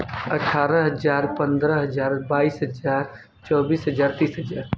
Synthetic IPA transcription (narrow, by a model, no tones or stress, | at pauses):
əʈʰaːɾəɦəd͡ʒaːɾpə̃nd̪ɾəɦəd͡ʒaːɾbaːiːsɦəd͡ʒaːɾ | t͡ʃɔːbiːsɦəd͡ʒaːɾt̪iːsɦəd͡ʒaːɾ